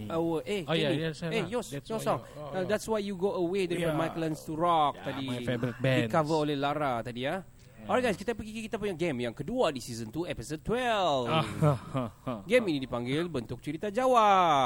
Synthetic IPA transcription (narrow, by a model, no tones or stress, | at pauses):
əwəʔeiejɔsjɔsɔ̃ŋ | ad̪ɛtswajjuɡoəwed̪əɾifɔ̃majklãnst̪uɾɔk̚t̪adibɾit̪̚bɛikavəolɛhlaɾat̪adia | oɾaɡajskit̪apəɡikikit̪apuɲaɡɛmjaŋkəduadisizənt̪uɛpəsod̚t̪wɛl | ɡɛminidipaŋɡɪlbənt̪ʊk̚t͡ʃəɾit̪ad͡ʒawa